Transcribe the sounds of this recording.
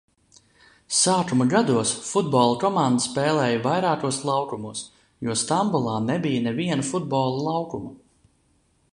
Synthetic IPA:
saːkumɐɡad̪uɔsfud̪̚bɔːlˠukɔmand̪əspɛːlˠɛːjɐvajɾaːkuɔslˠɑwkumuːs | juɔst̪ambulˠɑːnɛbijənɛviɛnɐfud̪̚bɔːlˠulˠɑwkumɐ

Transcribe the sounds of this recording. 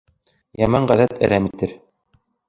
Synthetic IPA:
jɑmɑɴɢæðæt̪ɘ̰̆ɾæmit̪ɘp

